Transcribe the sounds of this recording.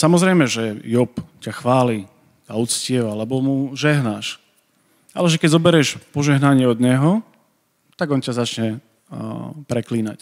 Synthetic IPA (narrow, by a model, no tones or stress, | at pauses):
samɔzɾɛjmɛʒɛjɔpcaxʋaːli | aut͡scɪɛʋalɛbɔmuʒɛɦnaʃ | a̰lɛʒɛkɛɟzɔbɛɾɛʃpɔʒɛɦnaɲɪɛɔd̪ɲɛɦɔ | t̪aɡɔncazat͡ʃɲɛ | pɾɛkliːna̰c